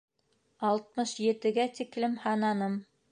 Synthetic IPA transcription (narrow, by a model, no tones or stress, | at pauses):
ɑlˠt̪̚mɤʃjɘ̆t̪ɘ̆ɡæt̪iklɘmhɑnɑnɤm